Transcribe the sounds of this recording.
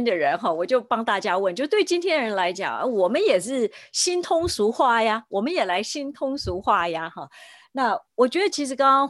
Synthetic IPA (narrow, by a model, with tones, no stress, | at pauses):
nd̪ə˨ɻə˧˥nxɑ˥˩wɔ˨˩t͡ɕjo˥˩ʊpɑ˥ŋt̪a˥˩t͡ɕja˥wə˥˩nt͡ɕo˥˧t̪we˥˩ɪt͡ɕi˥nt̪ʰjɛ˥nɻə˧˥nla˧˥ɪt͡ɕjɑ̰˨˩˦ŋə̰˧wɔ˨˩mə˦njɛ˨˩ʂɻ̩˥˩ɕi˥nt̪ʰʊ˥ŋsu˧˥xwa˥˩ja˨˩wɔ˨˩mə˦njɛ˨˩la˧˥ɪɕi˥nt̪ʰʊ˥ŋsu˧˥xwa˥˩ja˨˦xɑ˥˩ | na˥˩wɔ˨˩t͡ɕɥɛ˧˥d̪ə˧t͡ɕʰi˧˥ʂɻ̩˧˥kɑ˥ŋkɑ˥ŋ